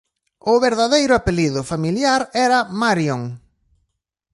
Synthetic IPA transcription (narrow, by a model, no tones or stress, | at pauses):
ʊβeɾðaðejɾʊapeliðʊfamiljaɾɛɾɐmaɾjoŋ